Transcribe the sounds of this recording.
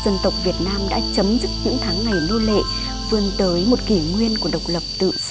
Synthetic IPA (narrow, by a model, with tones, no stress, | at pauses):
zə˧nt̪ə˨˩wk͡p̚vi˨˩ət̚naː˧mɗa̰ː˧˥t͡ɕə˨˦mzɨ˦˥k̚ɲɨ̰˧˥ŋt̪ʰaː˨˦ŋːa˨˩jno˧lḛ˧˨ | fɨ˧˩ənt̪əː˨˦jmo˨˩t̚ki˧˩ŋwi˧ənku˧˩əɗə˨˩wk͡p̚lə˨˩p̚t̪ɨ̰˧˨